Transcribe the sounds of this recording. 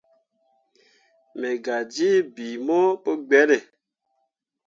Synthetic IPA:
me˨ɡa˨d͡ʒi˦bi˨mo˦po˦ɡ͡bɛ˨˦ne˨

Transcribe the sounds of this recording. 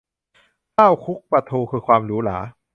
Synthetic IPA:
kaː˥˩wkʰu˦˥k̚pɾa˧t̪ʰuː˧kʰɯː˧kʰwaː˧mɾuː˦˥la̰ː˩˦

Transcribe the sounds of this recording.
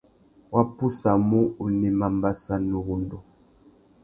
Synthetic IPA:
wa˦pu˦sa˨mu˦u˨ni˨ma˨mba˦sa˦nu˨ɣu˦ndɔ˨

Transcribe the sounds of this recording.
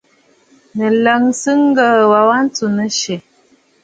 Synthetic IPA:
nə˨lə˨ŋsɨ˦ŋ˦ɡə˦˨wa˨wa˦n̩˦tu˨nə˦ʃe˨

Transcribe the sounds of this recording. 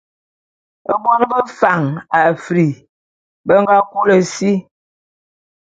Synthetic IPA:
ə˦bwɔ˦n˦bə˦fa˨ŋa˨fɾi˨ | bə˦ŋɡa˦ku˦lə˨si˦

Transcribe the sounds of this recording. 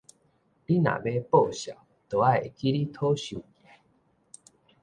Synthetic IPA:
li˦na̰˨be˦po˥˨ɕja̰˨ | t̪o˨a˦e˨ki˦ɾi˦t̪ʰo˦ɕu˧˨i˨˦

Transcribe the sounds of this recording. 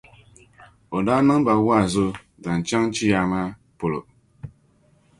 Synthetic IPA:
o˨da˦nɨ˦ŋba˨wa˦˨zo˦ | ɡa˨n˨t͡ʃa˦ŋt͡ʃi˦ja˨ŋa˦ | po˨lo˨

